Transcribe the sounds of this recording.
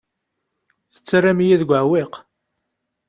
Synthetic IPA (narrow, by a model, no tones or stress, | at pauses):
θə̥t͡sːrːamijæðɡʷəʕweq